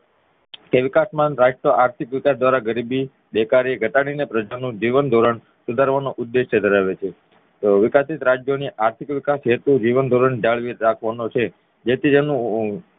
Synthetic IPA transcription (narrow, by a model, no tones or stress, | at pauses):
keʋɪkasmãnɾad͡ʒʈəʔaɾt̪ʰikʋikasd̪ʋaɾaɡəɾibi | d̪ekaɾiɡʱəʈaɽ̃inepɾəd͡ʒanũd͡ʒiʋənd̪ʱoɾəɳ | sud̪ʱaɾʋanoʔʊd̪ːeʃjəd̪ʱəɾaʋet͡ʃʰe | t̪oʋikasit̪ɾad͡ʒjoniʔaɾt̪ʰikʋɪkasɦet̪ũd͡ʒiʋənd̪ʱoɾəɳd͡ʒaɭʋiɾakʰʋanot͡ʃʰe | d͡ʒet̪ʰid͡ʒenũ